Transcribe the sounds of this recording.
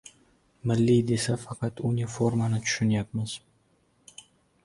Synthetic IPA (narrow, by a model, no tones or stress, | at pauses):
mɪlːijd̪e̞safɑqʰɑt̪unʲifoɾmanɪt̪ʰʊ̥ʃʊnjap̚mɪz̥